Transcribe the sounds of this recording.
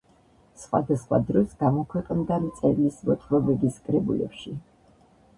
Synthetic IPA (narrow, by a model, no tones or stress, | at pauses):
sχwa̰d̪asχwa̰d̪ɾɔsɡamɔkʰwɛqʼnd̪amt̪sʼɛɾlismɔt̪ʼʰlɔbɛbiskʼɾɛbṵlɛ̰pʃi